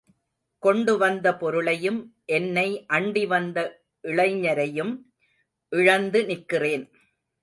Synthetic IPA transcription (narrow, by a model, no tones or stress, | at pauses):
kɔɳɖɯʋɐnd̪ɐpɔɾɯɭɐjɯmʔɛnːɐɪʔɐɳɖiʋɐnd̪ɐ | ʔɪɭɐɪɲɐɾɐjɯm | ʔɪɻɐnd̪ɯnɪkːɪreːn